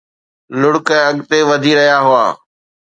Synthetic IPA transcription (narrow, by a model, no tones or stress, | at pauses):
lʊɽkəɐɠt̪eʋɐd̪ʱiɾɐɦjaɦʊa̰ː